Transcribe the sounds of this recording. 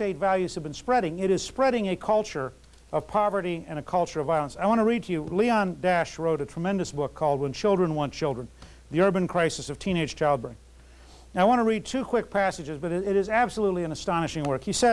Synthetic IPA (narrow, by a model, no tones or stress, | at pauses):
steɪtvælˠjʉz̥ɨvbɨ̃n̩spɹɛɾɪ̃ŋɪɾɨz̥spɹɛɾɪ̃ŋɨkʰʌlˠt͡ʃə˞ | ʔʌv̥pʰɑvə˞ɾiɨ̃ñɨkʰʌlˠt͡ʃə˞ʌvaɪlˠə̃nsaɪwɑ̃ñəɹid̚tʰɨjɨliə̃ndæʃɹoʊɾɨtʰɹ̥əmɛ̃ndɨsb̥ʊkʰːɔlˠd̚wə̃nt͡ʃʰɪlˠdɹɨ̃nwɑ̃nt͡ʃʰɪlˠdɹɨ̃n | ðiɜ˞bɨ̃nkʰɹ̥aɪsɨsʌv̥tʰĩñeɪ̥ʒ̥t͡ʃʰaɪlˠd̚bɪ̃ŋ | aɪwɑ̃ñəɹid̚tʰʉkʰw̥ɪk̚pʰæsɨd͡ʒɨzbʌɾɪɾzæb̥səlutˡliɨ̃nɨstɑñɨʃɪ̃ŋwɜ˞kjisɛ